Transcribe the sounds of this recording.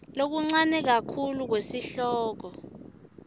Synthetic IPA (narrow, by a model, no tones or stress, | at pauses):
lok̬uŋ͡ǀanɛk̬akʰuluk̬wesiɬɔːk̬ɔ